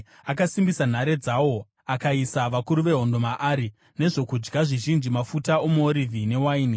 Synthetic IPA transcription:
akasimbisan̤aɾe̞d͡zawo̞ | akaisaʋakuɾuʋe̞ɦo̞ndo̞maʔaːɾi | ne̞ʐo̞kud͡ʒɡaʐiʒind͡ʒimafutaomuoɾivʱine̞waiːni

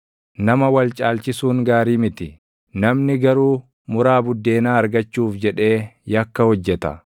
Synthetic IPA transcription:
nɐmɐwɐlt͡ʃʼaːlt͡ʃɪsuːŋɡaːɾiːmɪt̪ɪ | nɐmnɪɡɐɾuː | mʊɾaːbʊd̪ːe̞ːnaːɐɾɡɐt͡ʃːuːfd͡ʒɛᶑe̞ːjɐkːɐhɔd͡ʒːɛt̪ɐ̰

